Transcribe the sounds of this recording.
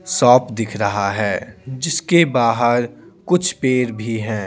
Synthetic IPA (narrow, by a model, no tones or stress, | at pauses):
sɔːpd̪ɪkʰɾɐɦaɦɛːd͡ʒɪskebaːɦəɾ | kʊt͡ʃʰpeːɾbʱiɦɛ̃ː